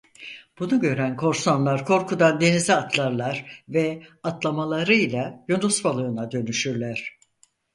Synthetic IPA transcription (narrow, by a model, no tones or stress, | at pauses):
b̥unuɟø̞ɾænkʰo̞ɾsanlˠaɾkʰo̞ɾkʰud̪and̪e̞nizʲiat̪ʰlˠaɾlˠaɾvɛat̪lˠamalˠaɾɯjlʲˠajonusbalˠɯːnad̪ø̞nyʃyɾlʲæɾ̥